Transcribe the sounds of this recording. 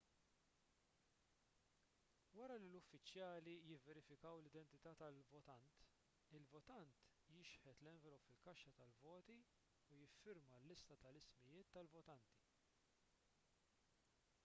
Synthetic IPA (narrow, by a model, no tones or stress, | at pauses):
wɐɾɐlilʊfːɪt͡ʃjɐːlijɪvːɛɾɪfɪkɐwlɪd̪ɛnt̪ɪt̪ɐːt̪ɐlvɔt̪ɐnt̪ | ɪlvɔt̪ɐnt̪ | jɪʃħɛt̪lɛɱvɛlɔpfɪlkɐʃːɐt̪ɐlvɔːt̪i | ujɪfːɪɾmɐlːɪst̪ɐt̪ɐlɪsmɪjɪːt̪ːɐlvɔt̪ɐnt̪i̥